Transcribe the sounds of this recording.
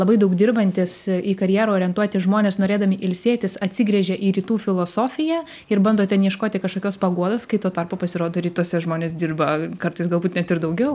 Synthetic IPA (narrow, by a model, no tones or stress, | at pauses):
lˠɐbɐɪd̪ɐʊkd̪ʲɪrbɐnʲt̪ʲɪsikɐɾʲjæːɾoːoːɾʲiɛnt̪uɔt̪ʲɪʒmoːnʲeːsnoːɾʲeːd̪ɐmʲɪʔɪlʲsʲeːt̪ʲɪsɐt̪ʲsʲɪɡɾʲɛʒʲɛʔiːɾʲiːt̪uːfʲɪlˠoːsoːfʲɪjæː | ɪɾbɐnd̪oːt̪ʲɛnjiɛʃkoːt̪ʲɪkɐʃkoːkʲoːspɐɡuɔd̪oːskɐɪt̪oːt̪ɐrpoːpɐsʲɪɾoːd̪oːɾʲiːt̪uɔsʲɛʒmoːnʲeːs̬d̪ʲɪrbɐkɐɾt̪ɐɪsɡɐlˠbuːt̪nʲɛt̪ɪɾd̪ɐʊɡʲɛʊ